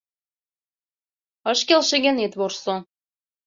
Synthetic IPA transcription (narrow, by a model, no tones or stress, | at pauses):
ɤʃkelʃĕɣenet̪βorso